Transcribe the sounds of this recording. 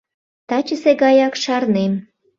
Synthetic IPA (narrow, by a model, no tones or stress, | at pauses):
t̪ɑt͡ɕəseɡɑjɑkʃɑrnem